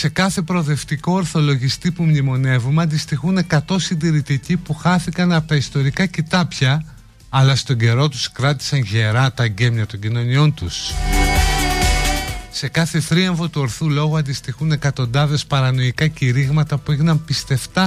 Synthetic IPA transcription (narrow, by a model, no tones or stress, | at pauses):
se̞kɐθe̞pɾo̞ðe̞ft̪iko̞ɾθo̞lo̞ʝist̪ipumɲimo̞ne̞vumeɐnd̪ist̪ixune̞kɐt̪o̞sind̪iɾit̪icipuxɐθikɐnɐpot̪ɐist̪o̞ɾikɐcit̪ɐpçɐː | lɐst̪o̞ɲɟe̞ɾo̞t̪uskɾɐt̪i̥sɐnʝe̞ɾɐt̪ɐɟe̞mɲɐt̪o̞ɲɟino̞nio̞nt̪us | se̞kɐθe̞θɾiɐɱvo̞t̪uoɾθulo̞ɣoɐnd̪ist̪ixune̞kɐt̪o̞nd̪ɐðe̞spɐɾɐno̞ikɐciɾiɣmɐt̪ɐpuiɣnɐmpist̪e̞ft̪ɐ